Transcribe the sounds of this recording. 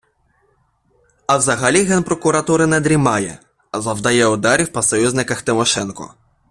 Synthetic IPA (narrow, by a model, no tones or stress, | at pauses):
ɐwzɐɦɐlʲiɦɛnpɾɔkʊɾɐt̪uɾɪnɛd̪ɾʲimɑjɛ̰ | ɐzɐwd̪ɐjɛʊd̪ɑɾʲiwpɐsɔjuzʲnɪkɐxt̪ɪmɔʃɛnkɔ̰